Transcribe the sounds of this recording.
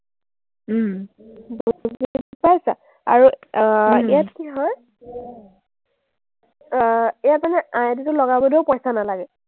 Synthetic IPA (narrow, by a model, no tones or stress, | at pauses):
bozipajsa | a̰ɹu | ɛjatkiɦɔj | ɛjat̚manɛʔãjɛditʊlɔɡabɔdewpɔjsanalaɡɛ